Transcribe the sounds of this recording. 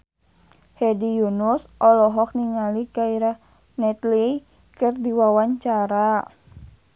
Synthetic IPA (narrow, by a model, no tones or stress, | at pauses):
hɛdijunusʔɔlɔɦɔk̚niŋalikaiɾah | nɛt̪li | kɨrdiwawaɲt͡ʃaɾa